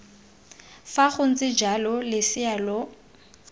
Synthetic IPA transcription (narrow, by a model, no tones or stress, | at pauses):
faχʊn̩t͡sʼɪd͡ʒalɔlɪsɪalɔ